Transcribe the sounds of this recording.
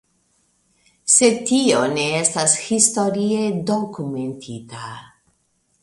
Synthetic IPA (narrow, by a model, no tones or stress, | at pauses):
se̞tio̞ne̞estashisto̞ɾie̞do̞kume̞ntʰita